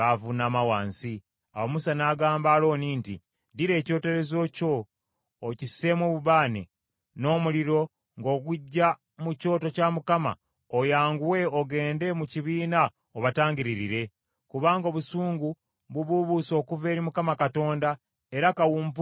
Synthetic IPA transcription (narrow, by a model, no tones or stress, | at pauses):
avunaːmawaːnsi | a̰womusanaːɡaːmbaːlo̞ːniːntḭ | diɾe̞ːco̞ːte̞ɾe̞zo̞ːco̞ː | cise̞mwoːβuβaːnḛ | no̞ːmuliɾo̞ | ŋɡo̞ːɡuɟːa | muco̞ːto̞camukama̰ | ojaːŋɡuwe̞oɡe̞ːnde̞muciβiːna | oβataːŋɟiɾiɾiɾe̞ | kuβaːŋɡo̞ːβusuːŋɡu | βuβuβuso̞ːkuve̞ːɾimukamakato̞ːnda | e̞ɾakawuːmp